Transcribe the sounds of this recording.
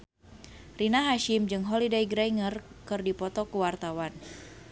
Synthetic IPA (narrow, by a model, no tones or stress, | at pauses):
rinaɦaʃimd͡ʒɨŋɦɔlidaiɡɾajŋərkɨrdipɔt̪ɔkuwart̪awan